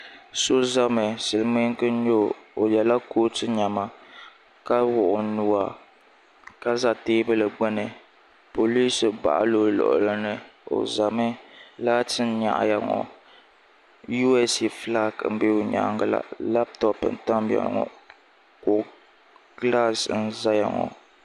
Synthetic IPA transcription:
so˦za˦mɛ˨sɨ˨lɨ˨mi˦ŋ˦kɨ˦ɲo˦˨o˨jɛ˨la˦koː˦tɨ˦ɲa˨ma˦ | ka˦wʊ˨ʔʊ˨nu˦wa˨ | ka˦za˨teː˦bɨ˦lɨ˨ɡ͡bɛ˦nɨ˨ | po˨li˦sɨ˨ba̰˨ʔa̰˦lo˦lɔ̰˨ʔʊ̰˨la˦nɨ˦o̰˨za˨mɨ˦laː˦tɨ˦n˦ɲa̰˨ʔa̰˨ja˨ŋɔ̰˨ | ju˦ɛ˦si˨fla˦km̩˦be˦o˨ɲa̰˨˦ŋɡa˦la̰˨la˦ptɔ˦pɨ˨n̩˨ta˦m˦bɛ̰˨l̰ŋɔ̰˨ | kʊ˨ | ɡla˦sn̩˦za˦ja̰˨ŋɔ̰˨

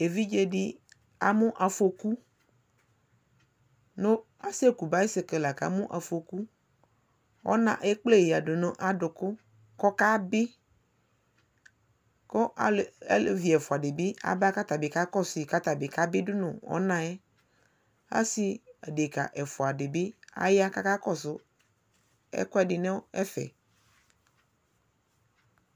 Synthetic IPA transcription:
e˨vi˦d͡ʒe˦dɪ˦ | a˨mʊ̃˦ʔa˨fo˨ku˦ | nʊ̃˦ | a˦se˦ku˨ba˦i˦se˨ke˨la˨ka̰˨˦mʊ̃˦ʔa˨fo˨ku˦ | ɔ̰˦nã̰˨ʔe˦k͡ple˦˨jɪ˨a˨ɖʊ˨nʊ̃˦ʔa˨dʊ˨kʊ˦ | kɔ˦ka˦bɪ˦ | kɔ˦ʔa˨˦llvi˨ɛ˨fo˨a˨de˨be˦a̰˦ba˦ka˦t̪a˨be˨ka˦kɔ˦si˨ka˦t̪a˨be˨ka˦be˦dʊ˦nʊ̰̃˨wɔ̰˦nã˨ɛ˦ | a̰˦si˨a˨de˨ka̰˨ʔe˨fo˨a˨ɖe˨be˦a̰˦ja˦ka˦ka˦kɔ˦sʊ˦ | ɛ̰˦kʊ˦ɛ˨dɪ˨nɛ̃˦wo˦ɛ˦fɛ̰˨

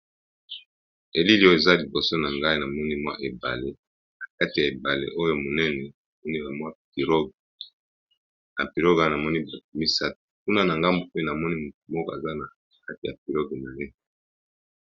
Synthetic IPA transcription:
e˨li˦li˦o˦e˨za˦li˨bo˨so˦na˨ŋɡa˦i˦na˨mɔ˦ni˦mwa˦ʔe˨ba̰˨le˦ | na˨ka˦ti˨ja˨e˨ba˨lḛ˦ʔo˦jo˦mo˨nɛ˦nɛ˨a˨mɔ˦ni˦la˨mwa˦pi˨ɾo˦ɡ | na˨pi˨lo˦ɡa˦˨na˨mɔ˦ni˦ba˨tu˨mi˦sa˦tku˦na˦na˨ŋɡa˦mbo˨pe˦na˨mɔ˦ni˦mu˨t̚u˨mɔ˦ko˦˨e˨za˦na˨ | ka˦ti˨ja˨p̚i˨lɔ˦ɡe˨na˨je˦

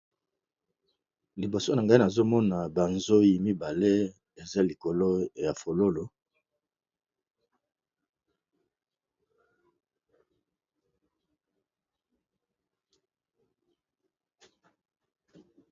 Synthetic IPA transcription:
li˨bo˨so˦na˨ŋɡa˦na˨zo˦mɔ˦na˨ba˨nzo˦ji˨mi˦ba˨le˦ | e˨za˦li˨ko˨lo˦ja˨fo˨lo˦lo˨

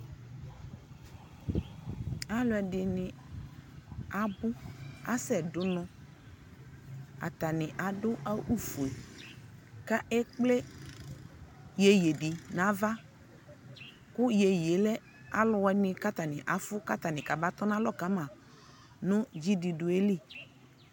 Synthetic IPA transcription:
a˨lʊ˨˦ɛ˨dɪ˨nɪ˨ | a˨bʊ˦a̰˦sɛ˨dʊ˦nɔ̃˦ | a̰˨t̪a˨nɪ˨ʔa˨dʊ˦ʔa˦ʔu˦˨fu˨e˨ | ka˦ʔɛ˦k͡ple˦ | je˨je˨dɪ˨nã˨˦va˦ | kʊ˦je˨je˨˦lɛ˦ | a˨lʊ˨wɛ˦nɪ̃˨ka˦t̪a˨nɪ̃˨ʔa˨fʊ˦ka˦t̪a˨nɪ̃˨ka˨ba˦t̪ɔ˦na˦lɔ˦˨ka˨˦mã˨ | nʊ̃˦d͡ʒi˦di˨dʊ˨e˦li˦˨

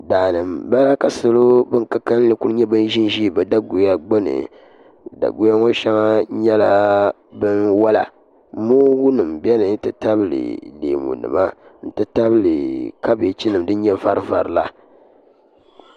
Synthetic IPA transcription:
daː˨nɨ˨mba˦la˦ka˨sɨ˨lo˦bɨ˦ŋka˦ka˦n˦lɨ˨ku˦ɾɨ˦ɲɛ˦bɨ˦n˦ʒi˦n˦ʒi˦˨bɛ˨da˦ɡo˨ja˦ɡ͡bo˦nɨ̰˨ | da̰˨ɡo˦ja˦ŋo˦ʃa˦ŋa˦ɲɛ˦la˦ | bɨ˦nwa˦la̰˨ | moː˦wu˦nɨ˨mbɛ˦nɨ˨n̩˦tɨ˦ta˦blɨ̰˨lḛː˨mṵ˨nɨ̰˨ma˦n̩˦tɨ˦ta˦blɨ˨ka˦be˨t͡ʃi˦nɨ˨m˦dɨ˦ɲɛ˦va˦ɾɨ˦va˨ɾla˦

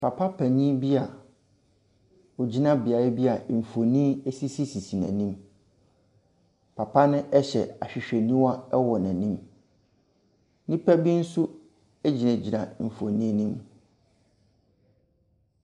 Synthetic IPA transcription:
pʰa˨pʰa˦pʰæ˨nĩ˦bi˦a˨ | ɔ˨d͡ʑi˦nã˦bɪ˨a˨ɾɛ˦bi˦a˨m̩˨fo˨nĩ˦e˦si˦si˦si˨si˨næ̰̃˨nĩ˦m | pʰa˨pʰa˦nɪ̃˦ʔɛ˦ɕɛ̰˨a˨ɕᶣɪ˨ɕᶣɛ˨nĩ˦wa˦ɛ˦wɔ˨næ̃˨nĩ˦m | nĩ˦pʰæ˦bi˦n̩˦su˦ | æ˦d͡ʑi˨næ̃˨d͡ʑi˨nã˨m̩˨fo˨nĩ˦nĩ˦m

